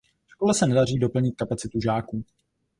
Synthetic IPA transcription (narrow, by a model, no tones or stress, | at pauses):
ʃkolɛsɛnɛdar̝iːdo̞pl̩ɲɪt̪̚kapat͡sɪt̪uʒaːkuː